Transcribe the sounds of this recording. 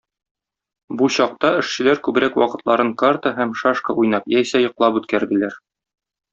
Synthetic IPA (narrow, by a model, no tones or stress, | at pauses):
buɕɒq̚t̪ɑɘ̆ʃɕɘ̆læɾkʉbɾækwɒqɤ̆t̪lˠɑɾɤɴkart̪əɦæmʃaʃkə̰ujn̪ɑpjæjsæjŏqlˠɑpʉt̪kæɾd̪ɘ̆læɾ